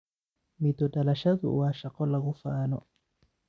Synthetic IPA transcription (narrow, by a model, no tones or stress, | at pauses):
mit̪ɔtalaʃaðṵwaʃaqɔlaɣufaːnɔ